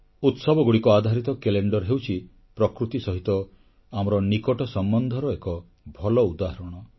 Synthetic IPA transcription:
ut̪sɔbɔɡuɽikɔad̪ʱaɾit̪ɔkeleɳɖɔɾɦewt͡ʃʰi | pɾɔkɾut̪isɔɦit̪ɔ | amɔɾɔnikɔʈɔsɔmbɔnd̪ʱɔɾɔekɔ | bʱɔlɔud̪aɦaɾɔɽ̃ɔ

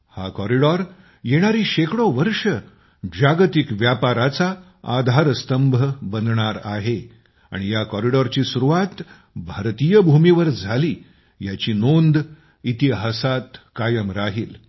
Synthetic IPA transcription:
hakɔɾiɽɔɾ | jeɽ̃aɾiːɕekɽoʋəɾʂə | d͡ʑaɡt̪ikʋjapaɾat͡sa | a̰d̪ʱaɾəst̪əmbʱəbənd̪ɳaɾa̰ɦe | a̰ɽ̃ijakɔɾiɽɔɾt͡ɕiːsuɾuʋat̪ | bʱaɾt̪ijəbʱumiʋəɾd͡zʱaliː | jat͡ɕiːnond̪ | it̪iɦasat̪kajəmɾaɦiːl

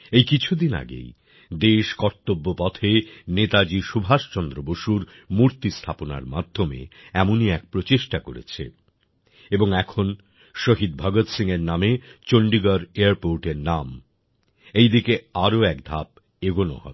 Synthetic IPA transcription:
ejkit͡ɕʰud̪ina̰ɡḛj | d̪eʃkɔɾt̪obːopɔt̪ʰenet̪ad͡ʑiʃubʱaʃt͡ɕɔnd̪ɾoboʃuɾ | muɾt̪ist̪ʰapona̰ɾmad̪ʱːomḛɛmoniɛk̚pɾot͡ɕeʃʈakoɾḛt͡ɕʰḛ | eboŋɛkʰon | ʃoɦid̪̚bʱɔɡot̪siŋeɾnamet͡ɕoɳɖiɡaɾeaɾpoɾʈeɾnam | ejd̪ikeaɾoɛk̚d̪ʱap | eɡono̰hɔ̰

